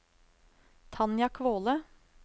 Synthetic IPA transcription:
t̪ʰɑnjɑkʰʋoːlə

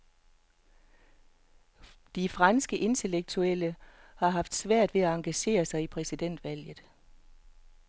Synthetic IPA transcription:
d̥ifʁɑnsɡ̥əʔe̝nt͡sʰe̝leɡ̥̚t͡sʰuel̰əhɑ̈ɦɑ̈fd̥sʋæɐ̰d̥ʋe̝æɑ̈ŋɡ̥æɕe̝̰ːɐsɑ̈ɪipʰʁɛsid̥en̰d̥ʋæl̰jð̩ˠ

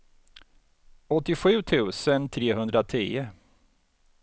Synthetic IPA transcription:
ɔt̪ːɪɧʉ̟ːt̪ʰʉ̟ːsənt̪ʰɾeːɦɵnd̪ɾat̪ʰiːə

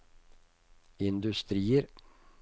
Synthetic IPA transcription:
ɪnd̪ʉst̪ɾiːəɾ

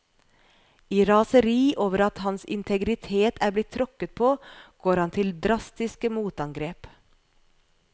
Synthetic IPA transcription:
iːɾɑːsəɾiːʔoːʋəɾɑt̪hɑnsɪ̰nt̪ʰɛɡɾɪt̪ʰeːt̪ʰæːblɪt̪ʰːɾɔkət̪̚pʰoːɡ̥oːɾhɑnt̪ʰɪld̪ɾɑst̪ɪskəmuːt̪ɑŋɡɾeːp

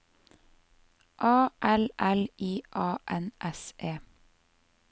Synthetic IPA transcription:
ʔɑːʔɛlʔɛliːʔɑːʔɛnʔɛsʔeː

